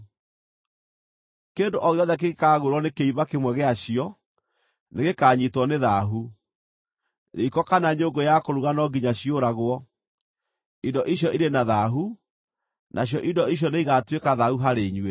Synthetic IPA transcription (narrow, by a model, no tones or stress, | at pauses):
keːndoʔɔɣjɔðɛk̬eɣekaːɣoɾwɔnekeiβakemwɛɣeaɕiɔ | neɣekaːɲitwɔneðaɦu | eikɔkanaɲoːŋɡojakoɾuɣanɔɡiɲaɕioɾaɣwɔ | idɔʔiɕjɔʔiɾenaðaɦu | nʔaɕjɔʔidɔiɕ̬jɔneiɣatwekaðahuɦaɾeɲwe